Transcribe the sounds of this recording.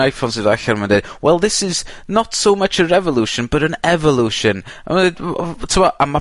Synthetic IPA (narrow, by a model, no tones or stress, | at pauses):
ajfɔnsɨðaɬɛɾmanded̚wʔɛlˠðɪsɪznətsomət͡ʃəɹɛvɔlˠuʃə̃nbəɾə̃nɛvɔlˠuʃə̃n | a̰madedtʰuɔʔəma